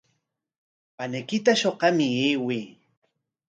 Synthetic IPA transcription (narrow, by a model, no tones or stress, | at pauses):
panajkɪt̪aʃoqɑmɪeːwiː